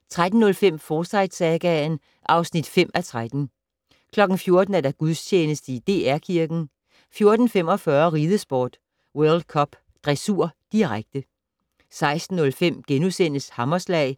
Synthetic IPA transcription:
t͡sʰʁad̥n̩ːɔ̽lfem̰fɒːsɑ̈ɪd̥sɛɡ̥æn | ʔɑ̈ʊsnid̥fem̰æt͡sʰʁad̥n̩ | kʰlɒ̽ɡ̥n̩fjo̝ɐd̥n̩æɐdæɡ̥uðˠst͡ɕʰeːnəsd̥əid̥e̝ːæɐ̰kʰiɐɡ̥n̩ | fjo̝ɐd̥n̩fem̰ɒ̽fɶɐʁiːðˠəsb̥ɒ̰ːd̥ | wœɐld̥̚kʰɒ̽b̥ | d̥ʁɛsuɐ̰d̥iʁaɡ̥̚d̥ə | sɑ̈ɪsd̥n̩ːɔ̽lfem̰ɡ̥enusen̰əshɑ̈mɐslɛ̰ɪ

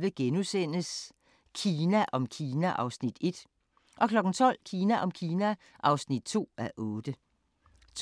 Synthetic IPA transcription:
ʋəɡ̥enusen̰əs | kʰiːnæʔɒ̽mkʰiːnæʔɑ̈ʊsnid̥e̝d̥ | ʔɒ̽kʰlɒ̽ɡ̥n̩t͡sʰɒ̽l̰kʰiːnæʔɒ̽mkʰiːnæ | ʔɑ̈ʊsnid̥t͡sʰo̝̰ːæʔɔ̽ːd̥ə | t͡sʰ

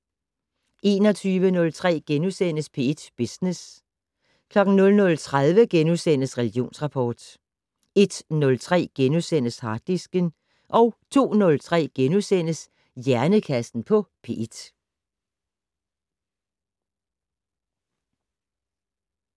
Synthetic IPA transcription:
ʔe̝ːnɒ̽t͡sʰyːʋənɔ̽lt͡sʰʁɛ̰ːɡ̥enusen̰əspʰe̝ed̥b̥isnes | kʰlɒ̽ɡ̥n̩nɔ̽lnɔ̽lt͡sʰʁaðˠʋəɡ̥enuðsen̰əsʁɛliɡ̥jo̝̰ːnsʁɑ̈pʰɒ̰ːd̥ | e̝d̥nɔ̽lt͡sʰʁɛ̰ːɡ̥enusen̰əshɑ̈d̥isɡ̥ən | ʔɒ̽ʊt͡sʰo̝̰ːnɔ̽lt͡sʰʁɛ̰ːɡ̥enusen̰əs | jæɐnəkʰæsd̥n̩pʰɒ̽pʰe̝̰ed̥

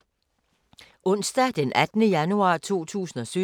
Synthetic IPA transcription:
ɔ̽n̰sd̥æd̥enʔæd̥nəjænuɑ̰̈ːt͡sʰo̝̰ːt͡sʰṵːsn̩ɒ̽sy

